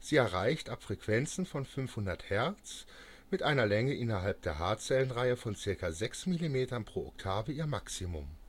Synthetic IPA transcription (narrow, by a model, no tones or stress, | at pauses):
z̥iːɛɐʁaɪçtapfʁ̥ɛkv̥ɛnt͡sn̩fɔnfʏnfhʊndɐthɛɐt͡s | mɪtʔaɪnɐlɛŋəʔɪnɐɦalp̚d̥eːɐɦaɐt͡sɛlənʁaɪəfɔnt͡sɪɐkazɛksmilimeːtɐnpʁ̥oːɔ̰ktʰaːvəiːɐmaksimʊ̰m